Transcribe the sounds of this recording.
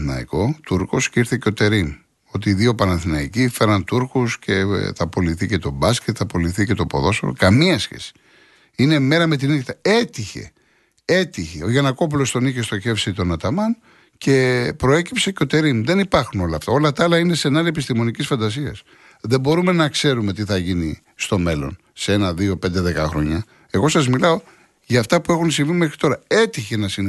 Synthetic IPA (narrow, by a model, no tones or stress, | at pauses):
nɐ̰ḭko̞t̪uɾko̞sciɾθiceo̞t̪e̞ɾim | o̞t̪iːðio̞pɐnɐθinɐicife̞ɾɐnt̪uɾkusce̞θɐpo̞liθice̞t̪o̞bɐsket̪θɐpo̞liθice̞t̪o̞po̞̰ðo̞sfoo̰kɐmiɐsçḛsi̥ | ine̞me̞ɾɐme̞t̪̬inikt̪ɐe̞t̪içe̞̰ | e̞t̪içḛo̞ʝɐnɐko̞p̬ulo̞st̪o̞niçe̞st̪o̞çe̞fsit̪o̞nɐt̪ɐmɐn | ce̞pɾo̞e̞cipse̞ceo̞t̪e̞ɾimðe̞nipɐɾxuno̞lɐːft̪ɐ̰o̞lɐt̪ɐɐlɐine̞se̞nɐlepist̪imo̞nicisfɐnd̪ɐs̬iɐ̰s | ðe̞bo̞ɾume̞nɐkse̞ɾume̞t̪̬iθɐʝini | st̪o̞me̞lo̞̰n | se̞e̞nɐðio̞pe̞nd̪e̞ðe̞kɐ̰xɾo̞̰ɲɐ | e̞ɣo̞sɐzmilɐo̞ | ʝɐːft̪ɐpue̞xunsiɱvimexɾit̪o̞ɾɐe̞t̪içe̞nɐsin